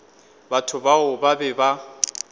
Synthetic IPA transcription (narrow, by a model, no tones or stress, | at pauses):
batʰʊbaʊbabɛba